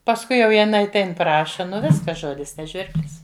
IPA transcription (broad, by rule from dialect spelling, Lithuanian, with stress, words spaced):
pɐsˈkʊɪ jɛʊ jɪˈnɐɪ ɐtʲˈɛɪn ˈprɑːʃɐ ˈnʊ ˈʋʲɪskɐs ˈʒoːdʲɪs nʲɛ ˈʒʲʋʲɪrʲbʲlʲɪs